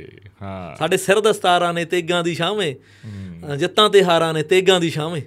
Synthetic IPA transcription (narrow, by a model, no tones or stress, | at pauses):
saːɖeːsəɾd̪əst̪aːɾãːnẽːt̪eːɡãːd̪iːʃaːmẽː | d͡ʒɪt̪ːãːt̪eːɦaːɾãːnẽːt̪eːɡãːd̪iːʃaːmẽː